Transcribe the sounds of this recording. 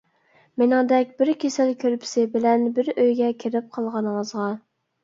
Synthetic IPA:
mɪnɪŋd̪ɛkʲbɪɾkʲʰesɪlkʲʰøɾpʰɪ̥sɪbɪlɛnbɪɾøjɡʲɛkʲʰeɾɪp̚qʰɑlˠʁɑnmɑzʁɑ

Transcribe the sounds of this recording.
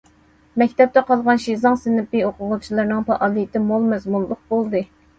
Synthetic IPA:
mɛkʲt̪ʰɛp̚t̪ɛqɑlˠʁɑnʃizɑŋsɪnɪpioqʊʁʊt͡ʃʰilˠɨɾnɨŋpɑʔɑːlˠijt̪ʰɪmolˠmɛzmunlˠʊq̚bolˠd̪ɨ

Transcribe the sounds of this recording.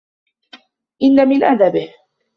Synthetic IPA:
ʔɪnːamɪnʔad̪abɪh

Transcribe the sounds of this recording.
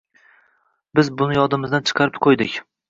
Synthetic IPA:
bɪzbʊnɪjɒd̪ɪmɪzd̪ant͡ʃʰɨ̥qʰɑɾɪpqʰojd̪ɪkʲ

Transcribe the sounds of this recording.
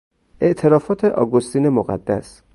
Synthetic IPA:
ʔe̞ʔt̪ʰe̞ɾɒːfɒːt̪ʰeʔɒ̰ːɡost̪iːne̞moɣæ̰d̪ːæ̰s

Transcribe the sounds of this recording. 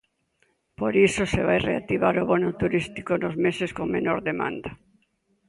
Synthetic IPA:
poɾisoseβajrḛat̪iβaɾoβonʊt̪uɾist̪ikonozmeseskoŋmenoɾðemã̰nd̪a

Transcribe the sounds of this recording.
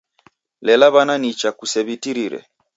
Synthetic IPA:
lɛlaβananit͡ʃakusɛβitiɾiɾɛ̰

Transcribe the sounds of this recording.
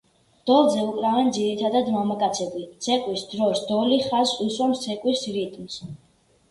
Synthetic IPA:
d̪̥ɔlˠzɛukʼɾavɛnd̪ziɾit̪ʰad̪ad̪mamakʼat̪sʰɛbisʰɛqʼwisd̪ɾɔsd̪ɔliχazuswamssʰɛkʼwisɾit̪ʼms

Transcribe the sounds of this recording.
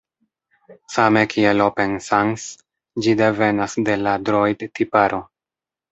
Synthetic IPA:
same̞kʰielope̞nsaŋs | d͡ʒide̞ve̞nasde̞ladɾojdtipaɾo̞

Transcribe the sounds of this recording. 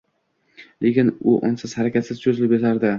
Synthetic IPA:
lʔe̞kʲɪnʊʔɒnsɪz̥haɾakʲat̪sɪz̥t͡ʃʰozɪlɪpjat̪ʰaɾd̪ɪ

